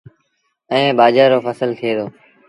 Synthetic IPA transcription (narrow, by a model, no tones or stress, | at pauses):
ɛ̃ẽːɓaːd͡ʒaːɾoːfəsəlt̪ʰeːd̪oː